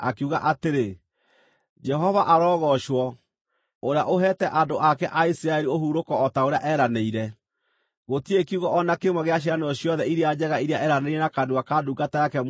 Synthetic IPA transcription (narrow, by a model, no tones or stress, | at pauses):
a̰kuɣaʔateɾe | d͡ʒɛɦɔvaʔaɾɔːɣɔʃwɔ | oɾeaʔoɦɛːtɛʔandoʔakɛʔaisiɾaɛɾiohuɾokɔːtaoɾeaʔɛɾaneiɾɛ | ɣotiekiuɣɔʔɔnakemwɛɣeaɕ̬iɾanɔɕjɔðɛiɾead͡ʑɛɣaiɾeaɛɾaneiɾɛnakaduakaduːɡatajakɛ